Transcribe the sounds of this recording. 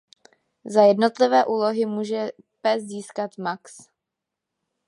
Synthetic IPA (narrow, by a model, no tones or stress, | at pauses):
zajɛdnot̪lɪvɛːʔuːlo̞ɦɪmuːʒɛ | pɛsziːskat̪maks